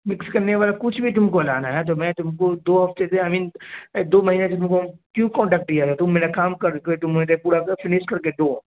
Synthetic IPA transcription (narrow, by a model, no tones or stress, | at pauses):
mɪkskɐɾneʋaːlakʊt͡ʃʰbʱit̪̬ʊmkolaːnaɦɛt̪̬omɛ̃ːt̪ʊmkod̪oːɦɐft̪eseamĩːnd̪oːmɐɦiːneset̪ʊmkokjũkɔ̃ːɳʈɛːk̚ʈ̚ɖijat̪ɛt̪ʊmːeːnakaːmkɐɾket̪ʊmːnet̪epuːɽakɐfɪnɪʃkɐɾkeɖ̪õː